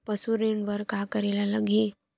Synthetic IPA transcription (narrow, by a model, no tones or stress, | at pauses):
pəsuɾeɳbəɾkaːkəɾelaləɡe